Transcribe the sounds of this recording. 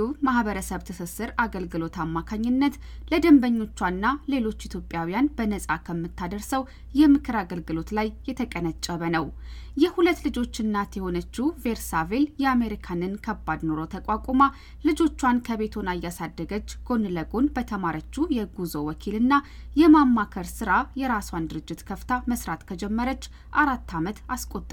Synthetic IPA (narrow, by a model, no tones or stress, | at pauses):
umahβəɾəsəβt̪ʰəsəsːɨɾaɡəlɡɨlo̞t̪ʰamːakʰaɲːɪnːət̪ | ləd̪əmbəɲːo̞t͡ʃːwanːale̞lo̞t͡ʃːit̪ʰjo̞pʼjawijanbənəsʼakʰəmːɨt̪ʰːad̪əɾsəw | jɛmɨkʰɨɾaɡəlɡɨlo̞t̪lajːɛt̪ʰəkʼənət͡ʃʼːəβənəw | jɛhulət̪ːlɨd͡ʒo̞t͡ʃːɨnːat̪jɛho̞nət͡ʃːuve̞ɾsave̞ljɛame̞ɾikʰanɨnkʰəbːad̪no̞ɾo̞t̪ʰəkʼakʷʼoma | lɨd͡ʒo̞t͡ʃːwankʰəβe̞t̪ʰonajːasad̪ːəɡət͡ʃːɡ̥o̞nləɡo̞nbət̪ʰəmaɾət͡ʃːujɛɡuzowɔkʰilɨnːa | jɛmamːakʰəɾsɨɾajɛɾaswand̪ɨɾɨd͡ʒːɪt̪kʰəft̪ʰaməsɾat̪kʰəd͡ʒɛmːəɾət͡ʃː | ʔaɾat̪ʰːamət̪askʼot̪ʼː